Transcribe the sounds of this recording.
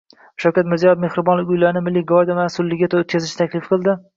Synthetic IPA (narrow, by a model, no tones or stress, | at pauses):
ʃawkʲat̪mɪɾzijɒjefmehɾɪbɒnlɪkʲʊjlaɾɪnɪmɪlːɪɡɒɾd̪amasʊlːɪɡʲat̪ʰot̪̚kʰʲazɪʃnt̪ʰakʲlɪfqʰɨlˠd̪ɪ